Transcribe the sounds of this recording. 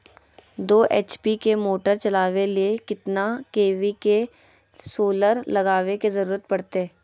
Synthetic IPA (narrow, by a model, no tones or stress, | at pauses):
d̪oːʔeːt͡ʃpikemoːʈəɾt͡ʃɐlaːʋeliekɪt̪nakeːʋike | soːləɾlɐɡaːʋekezɐɾuːɾət̪̚pɐɽt̪eː